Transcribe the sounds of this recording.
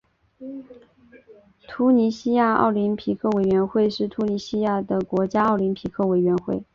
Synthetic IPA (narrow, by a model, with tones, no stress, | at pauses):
t̪ʰu˧˥ni˧˥ɕi˥ja˥˧ɑ̰˥˩ʊli˧˥npʰi˧˥kʰɤ˥˩we˨˩ɪɥɛ˧˥nxwe˥˧ɪʂɻ̩˥˩t̪ʰu˧˥ni˧˥ɕi˥ja˥˩d̪ə˩kwɔ˧˥t͡ɕja˥ɑ˥˩ʊli˧˥npʰi˧˥kʰɤ˥˩we˨˩ɪɥɛ˧˥nxwe˥˩ɪ